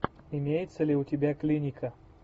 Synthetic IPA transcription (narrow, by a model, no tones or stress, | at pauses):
ɪmʲejɪt̪səlʲɪʊtʲɪbʲaklʲinʲɪkʰə